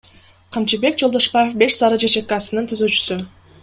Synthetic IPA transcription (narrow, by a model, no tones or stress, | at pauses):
qʰɑmt͡ʃibe̞k̚d͡ʒo̞lˠd̪oʃpajefbe̞ʃsɑɾɯd͡ʒet͡ʃek̚kːɑsɯnɯnt̪ʰyzøt͡ʃy̥sy